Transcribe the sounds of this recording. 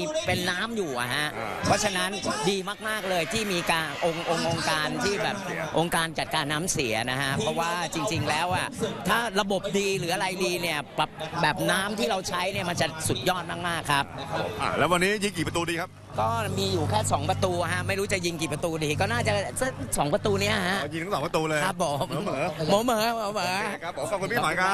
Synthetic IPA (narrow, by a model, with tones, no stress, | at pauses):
pe˧nːaː˦˥mjuː˨˩ʔa̰˨˩ɦa˦˥ʔʔ | pʰɔ˦˥t͡ɕʰa˧na˦˥ndiː˧maː˥˩k̚maː˥˩k̚lɤː˧jt̪ʰiː˥˩miː˧kaː˧nʔo˧ŋʔo˧ŋʔo˧ŋkaː˧nt̪ʰiː˥˩bɛː˨˩p̚ʔo˧ŋkaː˧nt͡ɕa˨˩t̪̚kaː˧nːaː˦˥msi˩˦ɐna˦˥kʰa˦˥ʔpʰːɔ˦˥waː˥˩t͡ɕi˧ŋt͡ɕi˧ŋlɛː˦˥wʔa˥˩t̪ʰaː˥˩ɾa˧bo˨˩p̚diː˧ɾɯː˩˦ʔa˧ɾa˧jdiː˧ni˥˩ɐpa˨˩p̚bɛː˨˩p̚naː˦˥mt̪ʰiː˥˩ɾa˧wt͡ɕʰa˦˥jni˥˩ɐma˧nt͡ɕa˨˩su˨˩t̪̚jɔː˥˩t̪̚maː˥˩k̚maː˥˩kʰːa˦˥p̚a˦˨˩ʔa̰˧˩lɛː˦˥wa˧nːiː˦˥ji˧ŋkiː˨˩pɾa˧t̪uː˧diː˧kʰa˦˥p̚ | kɔː˥˩miː˧juː˨˩kʰɛː˥˩sɔː˩˦ŋpɾa˧t̪uː˧a˩ɦa˦˥ma˥˩jɾuː˦˥t͡ɕa˨˩ji˧ŋkiː˨˩pɾa˧t̪uː˧diː˧kɔː˥˩naː˥˩t͡ɕa˨˩sa˥˩sɔː˩˦ŋpɾa˧t̪uː˧ni˦˥ʔɦa˦˥ʔji˧ŋʰa˨˦sɔː˩˦pɾa˧t̪uː˧lɤː˧jkʰa˦˥pʰːo˩˦m˨˦mː˨˦moː˨˦mɤː˩˦mɤː˩˦mɤː˩˦˩ku˧npiː˥˩ɔ˨˦jkʰa˦˥